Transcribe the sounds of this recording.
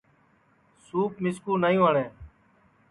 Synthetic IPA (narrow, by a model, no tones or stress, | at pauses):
suːpmɪskuːnaːijũːaːɳẽː